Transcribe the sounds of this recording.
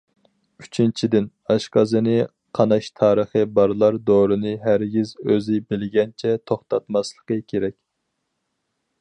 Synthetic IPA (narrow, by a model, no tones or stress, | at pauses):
yt͡ʃʰint͡ʃʰid̪ɪn | ɑʃqɑzɨnɨ | qʰɑnɑʃt̪ʰɑːɾəχəbɑɾlˠɑɾd̪oɾɨnɨɦæɾɡʲizøzɪbɪlɪɡʲɛnt͡ʃʰɛt̪ʰoχt̪ɑt̪mɑslˠəqəkʲʰeɾɛkʲ